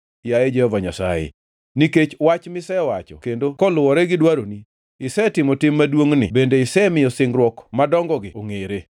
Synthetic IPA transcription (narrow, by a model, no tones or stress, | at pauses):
jajed͡ʒɛhɔvaɲasa̰jḛ | niket͡ʃwat͡ʃmɪsɛwat͡ʃɔ̰kendokɔlʊwɔɾɛɡɪdwaɾoni | ɪsɛtɪmɔtɪmːadwoŋnɪ̰bendeɪsɛmɪjɔsɪŋɡɾwɔkmadɔŋɡɔɡɪoŋeɾe